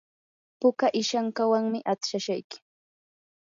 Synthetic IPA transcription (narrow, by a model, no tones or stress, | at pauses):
pʊkaʔɪʃaŋkawaŋmɪʔat͡sʃaʃajkɪ̥